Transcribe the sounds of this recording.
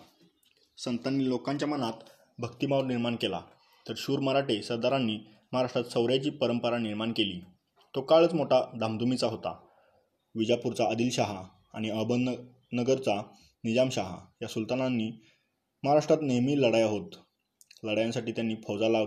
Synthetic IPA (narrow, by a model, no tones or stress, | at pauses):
sənt̪anːiːlokãɲt͡ɕjamənat̪ | bʱəkt̪imaʋəɾniɾmaɳkela̰ | t̪əɾɕuːɾməɾaʈesəɾd̪aɾãnːiː | məɦaɾaʂʈɾat̪səwɾjat͡ɕiːpəɾəmpəɾaniɾmaɳkeliː | t̪okaɭət͡smoʈʰad̪ʱamd̪ʱumit͡saɦot̪a̰ | ʋid͡ʑapuɾt͡saəd̪iːlɕaɦaː | ɽ̃iəbən | nəɡəɾt͡sa | nid͡ʑamɕaɦa̰jasult̪ananːiː | məɦaɾaʂʈɾat̪nemiːləɽajaɦot̪ | ləɽajãnsaʈiːt̪janːiːpʰəd͡zala